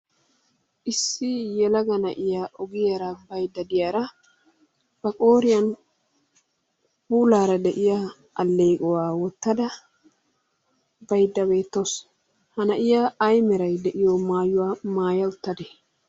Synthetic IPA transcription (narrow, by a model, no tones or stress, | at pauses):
ʔɪsːɪjɛlɐɡɐnɐʔɪjaʔɔɡɪjɐɾɐbɐjd̪ːɐd̪ɪjaːɾɐ | b̥ɐkʼo̞ːɾɪjɐn | buːlaːɾɐd̪ɛʔɪja | ʔɐlːe̞ːkʼɔwaːwɔt̪ːɐd̪ɐ | bɐjd̪ːɐbe̞ːt̪ːos | hɐnɐʔɪjaːɐjmɛɾɐjd̪ɛʔɪjoːmaːjʊwaːmaːjɐʊt̪ːɐd̪e